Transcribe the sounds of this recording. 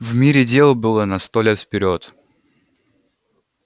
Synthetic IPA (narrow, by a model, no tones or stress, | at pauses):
vmʲiɾʲɪdʲelˠbɨlˠənɐst̪olʲet̪fpʲɪɾʲot̪